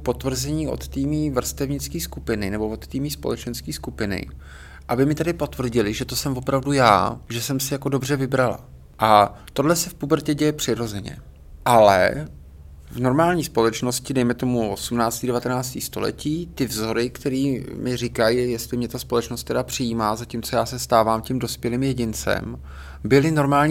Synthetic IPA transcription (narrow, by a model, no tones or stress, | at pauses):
po̞t̪vr̩zɛɲiːʔo̞̰t̪t̪iːmiːvr̩st̪ɛvɲɪt͡skiːskupɪnɪnɛbo̞vo̞t̪t̪iːmiːspo̞̰lɛt͡ʃɛnskiːskupɪnɪ̰ | ʔabɪmɪt̪adɪpo̞t̪vr̩ɟɪlɪʒɛt̪osɛmvopɾavduja̰ːʒɛsɛmsɪjako̞do̞br̝ɛvɪbɾala̰ | ʔat̪o̞dlɛsɛfpubɾ̩cɛɟɛjɛpr̝̥ɪɾo̞zɛɲɛ̰ | ʔalɛ̰ | vno̞ɾmaːlɲiːspo̞lɛt͡ʃno̞scɪdɛjmɛt̪o̞muo̞sumnaːt͡st̪iːdɛvat̪ɛnaːt͡st̪iːst̪o̞lɛ̰ciːt̪ɪvzo̞ɾɪkt̪ɛɾiːmɪr̝ɪkajijɛst̪lɪmɲɛt̪aspo̞lɛt͡ʃnost̪ːɛdapr̝̥ɪjiːmaːzaciːmt͡so̞jaːsɛst̪aːvaːmcimdo̞spjɛliːmjɛɟɪnt͡sɛ̰m | bɪlɪno̞ɾmaːlɲ